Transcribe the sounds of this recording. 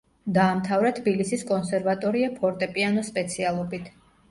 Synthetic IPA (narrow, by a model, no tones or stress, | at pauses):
d̪aːmt̪ʰavɾat̪ʰbilisiskʼɔnsɛɾvat̪ʼɔɾiapʰɔɾt̪ʼɛpʼianɔspʼɛt̪sʰialˠɔbit̪ʰ